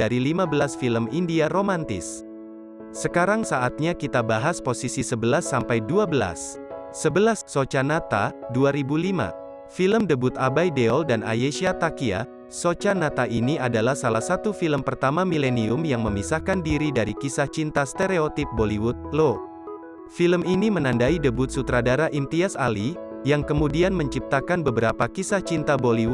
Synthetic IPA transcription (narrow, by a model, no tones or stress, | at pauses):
daɾilimabəlasfiləmindiaɾomant̪ɪ̰s | səkaɾaŋsaʔat̪̚ɲakit̪abaɦasposisisəbəlasːampajduabəla̰sː | əbəlasːot͡ʃanat̪a̰duaɾibulima̰ | filəmdəbut̪abajdeɔldana̰jeʃiat̪akia̰ | sot͡ʃanat̪aʔiniadalahsalahsat̪ufiləmpərt̪amamileniʊmjaŋməmisahkandiɾidaɾikisaht͡ʃint̪ast̪eɾeot̪ip̚boliwut̪̚lo | filəminimənandaidəbʊt̪̚sut̪ɾadaɾaʔint̪iasa̰lijaŋkəmudianməɲt͡ʃip̚t̪akanbəbəɾapakisaht͡ʃint̪aboliwu